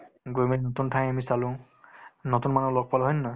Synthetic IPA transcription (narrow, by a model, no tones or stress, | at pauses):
ɡojmeinotuntʰãj̃amisalʊ̃ | notunmanulɔɡ̚palɦɔjnːa